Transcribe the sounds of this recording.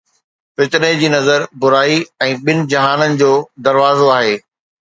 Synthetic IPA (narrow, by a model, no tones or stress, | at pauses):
fɪt̪ɪned͡ʑiːnɐzəɾbʊɾaːiɛ̃ːɓɪnɪ̆d͡ʑɐɦaːnənɪ̆d͡ʑoːd̪ɐɾʋaːzoaːɦeː